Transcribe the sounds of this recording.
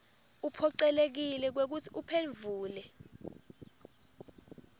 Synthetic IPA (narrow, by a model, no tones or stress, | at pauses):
upʰɔǀɛlek̬ilɛk̬wek̬utʰi̥upʰeɱvʱuːlɛ